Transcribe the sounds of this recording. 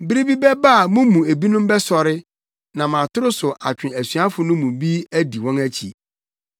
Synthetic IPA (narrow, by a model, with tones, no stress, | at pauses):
bɪ˦ɾi˦bi˦bɛ˦ba˦˨mʊ̃˦mũ˨æ˨bi˦nʊ̃˦m˦bɛ˦sɔ˨ɾɪ˦ | nã˨mã˨tʰʊ˦ɾʊ˦sʊ˨ʔa˨t͡ɕᶣɪ̃˨æ˨sɥa˦fʊ˨nʊ̃˦mũ˨bi˦æ˦di˨wɔ̃˦næ˦t͡ɕʰḭ˨